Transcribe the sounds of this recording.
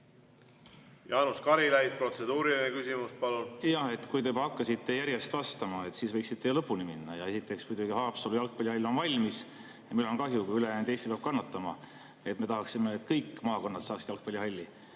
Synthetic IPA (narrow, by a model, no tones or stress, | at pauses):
jɑːnuskɑɾilæjt̪̚pro̞t̪se̞d̪uːɾilinekysimuspɑlunjɑhe̞t̪ːkujt̪ebɑɑkːɑsit̪ːe̞jæɾje̞st̪vɑst̪ɑmɑe̞t̪siːsvɤjksit̪ːe̞lɤpːˑunimḭnːɑ̰jɑe̞sit̪ːˑe̞ksmud̪̥ʲuɡ̥ihɑːpsolujɑlk̚pɑlʲihɑlʲːo̞nvɑlʲmis | jɑmilo̞nkɑɦjukujylejænd̪est̪ipɑb̥̚kɑnːɑt̪ːˑɑmɑ | et̪ːˑme̞t̪ɑɦɑksime̞ːt̪kɤjkːˑmɑːko̞nːɑt̪sɑːksid̪jɑlk̚pɑlʲːiɦɑlʲːi